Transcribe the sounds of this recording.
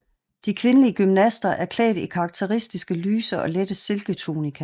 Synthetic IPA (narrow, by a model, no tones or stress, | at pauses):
d̥ikʰʋe̝nəliəɡ̥ymnæsd̥ɐʔæɐkʰlɛ̰ːd̥ikʰɑ̈ːɡ̥̚t͡sʰe̝ʁisd̥isɡ̥əlyːsɐʔɒ̽led̥əse̝lɡ̥ət͡sʰo̰ːnikʰæ